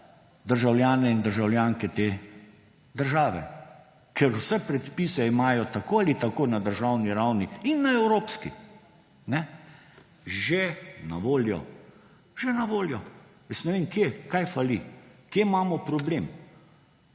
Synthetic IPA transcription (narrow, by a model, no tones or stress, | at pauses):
d̪əɾʒawljaːnɛind̪əɾʒawljaːŋkɛt̪eː | d̪əɾʒaːʋɛ̰ | kʰɛɾwsɛpɾɛt̪pisɛimaːjɔt̪akoːalit̪akoːnad̪əɾʒawniɾawniinːaɛwɾoːpskḭ | nɛ | ʒena̰ʋoːljɔ̰ | ʒenaʋoːljɔjəsnɛʋeːmkjekajfalikjemaːmɔpɾɔbleːm